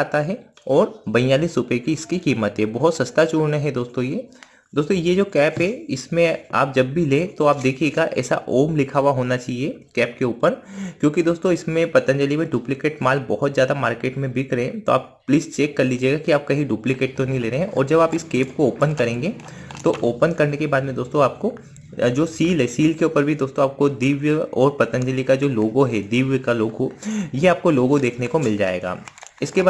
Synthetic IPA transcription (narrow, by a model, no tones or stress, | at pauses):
aːt̪aɦɛ | ɔːɾbɐ̃jaːlisʊpekiɪskikiːmət̪ɦɛbɔɦʊt̪sɐst̪at͡ʃoːɽnaɦɛd̪oːst̪õjeː | d̪oːst̪õjed͡ʒoːkɛːpɦɛɪsmẽa̰ːp̚d͡ʒɐbbʱilẽt̪oaːp̚d̪eːkʰijeːɡaʔɛ̰ːsa̰ʔoːmlɪkʰaːʋaɦoːnat͡ʃaːɦiekɛːp̚keuːpəɾkjõːkid̪oːst̪õɪsmẽpɐt̪ə̃nd͡ʒɐlimẽɖuːplɪkeːʈmaːlbɔɦɔt̪zjaːd̪amaːɾkeːʈmẽbʱikɾɐẽt̪o̰a̰ːp̚ | pliːst͡ʃeːkːɐɾliːd͡ʒieːɡakiaːp̚kɐɦiɖjuːplɪkeːʈ̚t̪onɐɦĩleːɾeɦɛ̃ʔɔ̰ːɾd͡ʒɐbaːpɪskeːpkooːpənkɐɾẽːŋɡet̪oʔoːpənkɐɾnekebaːd̪mẽd̪oːst̪õaːp̚ko | d͡ʒoːsiːlɦɛsiːlkeuːpəɾbʱid̪oːst̪õaːp̚kod̪iːʋjəɔːɾpɐt̪ə̃ɲd͡ʒəlikad͡ʒoːloːɡoɦɛd̪iːʋjəkaloːɡojeaːp̚koloːɡod̪eːkʰnekomɪld͡ʒa̰ːḛːɡa̰ːɪske